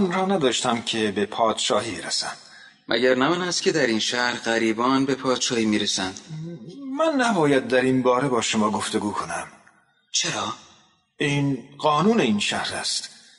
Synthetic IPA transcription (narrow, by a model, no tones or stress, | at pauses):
nɾɒːnæd̪ɒːʃt̪æmcʰe̞be̞pʰɒːd̪̥ʃɒːhiːbeɾæsæ̰n | mʔæ̰ɟæɾnæmænæst̪cʰʲe̞d̪æɾiːnʃæhɾɢæɾiːbɒːnbe̞pʰɒːd̪̥ʃɒːhiːmiːɾesænd̪̥ | mænːæbɒːjæd̪̚ːæɾinbɒːɾe̞bɒːʃomɒːɡo̞ft̪e̞ɡuːkʰo̞næm | t͡ʃʰeɾɒː | iːnɢɒːnuːne̞iːnʃæhɾæ̰st̪